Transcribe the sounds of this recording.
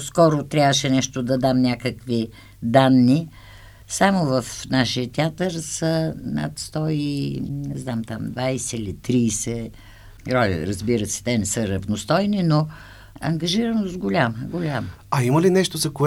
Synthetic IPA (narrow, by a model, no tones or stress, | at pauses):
skɔɾot̪ɾʲavəʃɛnɛʃt̪od̪ɐd̪amnʲakəkvi | d̪anːi | samovɐfnaʃijət̪ʲɛat̪əɾsəna̰t̪st̪ɔinɛznamt̪amd̪vajsɛilit̪ɾiːsɛ | ɾɔlʲɛ̰ɾəzbiɾəsɛ̥t̪ɛnɛsəɾɐvnost̪ɔjnino | ɐ̰ŋɡɐʒiɾənosɡolʲaməɡolʲamə | ɐiməlinɛʃt̪ozɐko